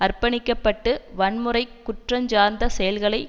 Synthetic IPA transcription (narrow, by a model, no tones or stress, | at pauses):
ɐrpɐnɪkːɐpːɐʈːɯʋɐɳmɯrɐɪkːʊʈrɐɲd͡ʒaːɾnd̪ɐsɛjɐlɣɐɭɐɪ